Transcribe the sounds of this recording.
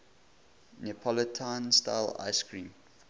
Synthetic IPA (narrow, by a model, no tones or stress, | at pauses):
nipʰɔlətʰãnsta̰ɪla̰ɪskɹĩm